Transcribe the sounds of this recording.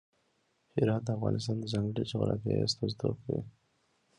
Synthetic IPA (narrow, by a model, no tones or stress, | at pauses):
hɪɾɑːt̪̚d̪əafɣɑ̰nʔɪst̪ɑːnd̪əzaŋɡəɽit͡ʃoɣɾɑ̰t̪eḛst̪azd̪o̰kḭ